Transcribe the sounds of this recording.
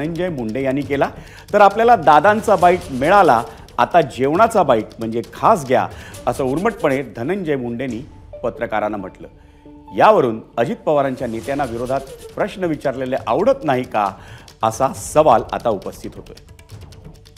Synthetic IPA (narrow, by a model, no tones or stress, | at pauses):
əɲd͡ʑəjmuɳɖejanːiːkela | t̪əɾapljalad̪ad̪ant͡sabaiʈmeɭalaː | t̪ad͡ʑeʋɳ̃at͡sabaiʈ̚m̤əɳd͡zekʰas̬ɡʱja̰əsəuɾməʈ̚pəɳ̃ed̪ʱənəɲd͡ʑəjmuɳɖeniː | pət̪ɾəkaɾanːam̤əʈlə̰ː | jaʋəɾuːnəd͡ʑit̪̚pəʋaɾãɲt͡ɕjanet̪janːaʋiɾod̪ʱat̪̚pɾəɕnəʋit͡ɕaɾleleʔaʋɽ̤ət̪naɦika̰əsasəʋala̰t̪aupəst̪ʰit̪ɦot̪ə̰